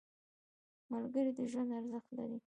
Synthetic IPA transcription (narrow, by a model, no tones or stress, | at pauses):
malɡəɾid̪əʒwand̪aɾzəxt̪la̰ɾi